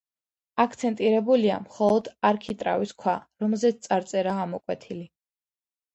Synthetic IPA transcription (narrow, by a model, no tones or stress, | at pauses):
akʰt̪sʰɛnt̪ʼiɾɛbulia̰mχɔlˠɔd̪aɾkʰit̪ʼɾa̰viskʰwaɾɔmɛlˠzɛt̪st̪sʼaɾt̪sʼɛɾaamɔkʼwɛt̪ʰili